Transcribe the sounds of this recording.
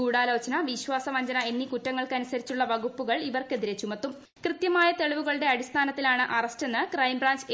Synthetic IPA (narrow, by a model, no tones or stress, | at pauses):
uːɽaːlɐːt͡ɕːɐnɐʋiɕʋaːsɐʋɐɲd͡ʑɐnɐe̞nːikutːɐŋːɐɭkɨɐnusɐɾit͡ɕːuɭːɐʋɐɣupːuɣɐɭiʋɐrke̞ðiɾet͡ɕːumɐt̪ːum | krɨt̪jɐmaːjɐt̪e̞ɭiʋuɣɐɭuɽe̞ɐɽist̪ʰaːnɐt̪ːilaːɳɨʔɐrɐste̞nːɨkrɐjmbraːɲd͡ʑ